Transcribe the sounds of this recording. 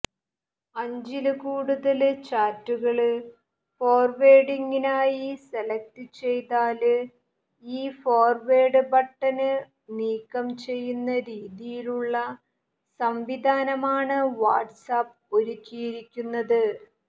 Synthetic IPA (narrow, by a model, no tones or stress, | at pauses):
ɐɲd͡ʑilɨkuːɽuðɐlt͡ɕaːtːuɣɐɭ | foːrʋeːɽiŋɡinaːjiselɐk̚tɨt͡ɕe̞jt̪aːlɨ | iːfoːrʋeːɽɨbɐʈːɐnɨ | niːkːɐmt͡ɕe̞jːunːɐɾiːðijiluɭːɐ | sɐmʋid̪ʱaːnɐmaːɳɨʋa̰ːʈsaːp | o̞ɾukʲːijiɾikʲːunːɐðɨ